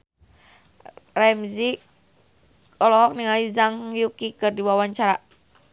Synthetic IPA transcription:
rɛmzi | ɔlɔɦɔk̚niŋalizaŋjukikɨrdiwawaɲt͡ʃaɾa

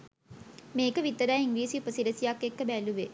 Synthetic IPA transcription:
meːkəʋit̪ːəɾaːiŋʋiːsiupəsiɾəsijakːekːəbæluʋe

